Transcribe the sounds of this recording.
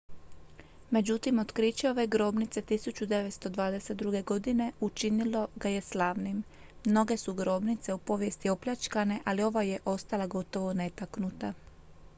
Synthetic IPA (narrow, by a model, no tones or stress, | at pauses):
me̞d͡ʑut̪imo̞t̪kɾit͡ɕeo̞ʋe̞ɡɾo̞ːbnit̪se̞t̪isut͡ɕud̪e̞ʋe̞t̪st̪o̞d̪ʋaːd̪e̞se̞t̪̚d̪ɾuɡe̞ɡo̞d̪ine̞ut͡ʃinilo̞ɡaje̞slaʋnimː | no̞ɡe̞suɡɾo̞ːbnit̪se̞upo̞ʋje̞st̪io̞pʎʲat͡ʃkane̞ʔalio̞ʋaje̞ʔo̞st̪alaɡo̞t̪o̞ʋo̞ne̞t̪aknut̪a